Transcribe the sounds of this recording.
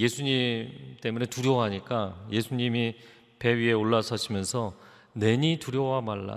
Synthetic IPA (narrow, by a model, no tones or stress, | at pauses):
je̞sʰuɲit͈e̞mune̞tuɾjoɦaɲik͈aje̞sʰuɲimi | pe̞ɥie̞oɭːasʰʌɕʰimjʌnsʰʌ | ne̞ɲituɾjowamaɭːa̰